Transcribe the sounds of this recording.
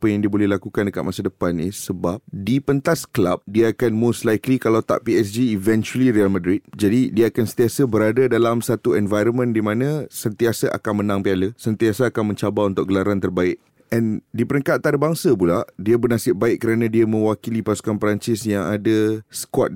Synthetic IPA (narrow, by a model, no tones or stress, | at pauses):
apəjaŋdiəbolɛhlakukandəkat̪̚masədəpanisəbap̚dipənt̪asklap̚diaakanmõslajklikalawt̪a̰ʔpiɛs̬d͡ʒiːvɛnt͡ʃuəliɾialmãdɾɪt̪̚d͡ʒadidiaakansənt̪iasabəɾadadalamsat̪uɛnvajɾənmə̃ndimãnãsənt̪iasaʔa̰kanmənãŋpialəsənt̪iasaːkanmə̃ɲt͡ʃabaunt̪ʊʔk̚ɡəlaɾant̪ərbaɪʔ̚ | ɛ̃ndipəɾəŋkat̪ʔat̪aɾəbaŋsapulaʔdiabərnasɪʔ̚baɪʔ̚kəɾanãdiamə̃wakilipasu̥kanpəɾaɲt͡ʃɪsjaŋadasə̥kwɔ̰t̪̚